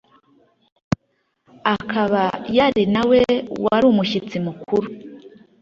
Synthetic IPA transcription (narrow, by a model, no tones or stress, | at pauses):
akʰaβajaɾinawewaɾuːmuçit͡simukʰuɾu